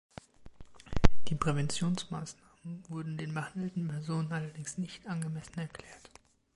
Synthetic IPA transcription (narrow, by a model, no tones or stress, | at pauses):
d̥iːpʁ̥ɛvɛnt͡sjoːnsmaːsnaːmənvʊɐdn̩deːnbəhandl̩tn̩pʰɛɐzoːnənʔalɐdɪŋsnɪçtʔanɡəmɛsn̩ɛɐkl̥ɛːɐt